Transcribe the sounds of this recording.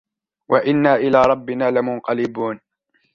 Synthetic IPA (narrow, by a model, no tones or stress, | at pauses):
wʔaʔɪnːaːʔɪlaːɾˤɑbːɪnaːlɪmʊnqɑlɪbuːn